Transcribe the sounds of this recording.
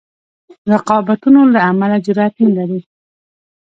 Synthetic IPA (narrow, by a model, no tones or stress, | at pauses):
ɾaqɑbat̪unolaːmalad͡ʒʊɾɑt̪iŋlaɾi